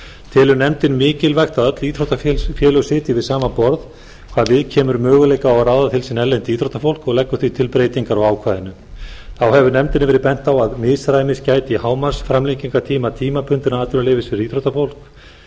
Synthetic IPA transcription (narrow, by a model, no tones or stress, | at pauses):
t̪ʰɪːlʏnɛmt̪ɪnmɪːcɪlvɛxt̪aðœt̪liːt̪ɾowt̪affjɛːlœsɪːt̪ɪvɪðsaːmapɔɾð | kʰvaːɾvɪðcʰɛːmʏɾmœːɣʏleːjkaawrawðat̪ʰɪlsinɛlːɛnt̪ɪiːt̪ʰɾowt̪afowl̥kɔɣlɛkːʏθvit̪ʰɪlpɾejt̪iŋkaɾɔɣaːwkʰvaːðɪnːʏ | θawhɛvʏnɛmt̪ɪnɪvɛːɾɪpɛn̥t̪awaðmɪðsɾaːjmɪscaːjt̪ɪihaːwmasfɾamliŋciŋkat̪ʰiːmat̪ʰiːmapʰʏnt̪ɪnaaːt̪ʏnalejvɪsɪɾiːt̪ɾowt̪afowl̥k